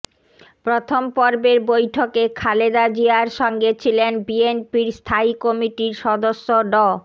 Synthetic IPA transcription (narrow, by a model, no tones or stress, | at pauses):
pɾot̪ʰompɔɾbeɾbojʈʰokekʰaled̪ad͡ʑiaɾʃɔŋɡet͡ɕʰilenbienpiɾst̪ʰaikɔmiʈiɾʃɔd̪oʃːoɖɔ